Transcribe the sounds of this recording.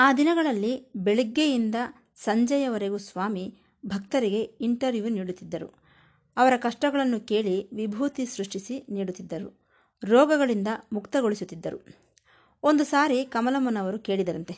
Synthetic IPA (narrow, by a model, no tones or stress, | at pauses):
aːd̪inɐɡɐɭɐlːibeɭiɡːejind̪ɐ | sɐɲd͡ʒɐjɐʋɐɾe̞ɡusʋaːmi | bʱɐk̚t̪ɐɾiɡe̞iɳʈɐɾʋjuːniːɽut̪ːid̪ːɐɾṵ | ɐʋɐɾɐkɐʂʈɐɡɐɭɐnːuke̞ːɭiʋibʱuːt̪isɾuʂʈisiniːɽut̪ːid̪ːɐɾu | ɾɔːɡɐɡɐɭind̪ɐmukt̪ɐɡo̞ɭisut̪ːid̪ːɐɾṵ | o̞nd̪usaːɾikɐmɐlɐmɐnɐʋɐɾuke̞ːɭid̪ɐɾɐnt̪e̞